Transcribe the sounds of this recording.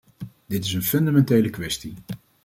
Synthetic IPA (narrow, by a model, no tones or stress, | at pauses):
dɪtɪsənfɵndamɛntejləkʋɛsti